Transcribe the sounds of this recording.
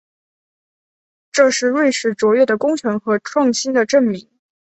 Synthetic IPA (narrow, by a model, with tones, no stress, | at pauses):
ʈ͡ʂɤ˥˧ʂɻ̩˥˧ɻwe˥˧ɪʂɻ̩˥˩t͡swɔ˧˥ɥɛ˥˩d̪ə˩kʊ˥ŋt͡ɕʰɥɛ˧˥nxɤ˧˥ʈ͡ʂʰwɑ˥˩ŋɕi˥nd̪ə˨ʈ͡ʂə˥˩nmi˧˥ŋ